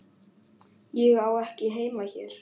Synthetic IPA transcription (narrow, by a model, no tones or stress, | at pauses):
jɛɣawɛhcɪɦeːjmaçɛːɾ̥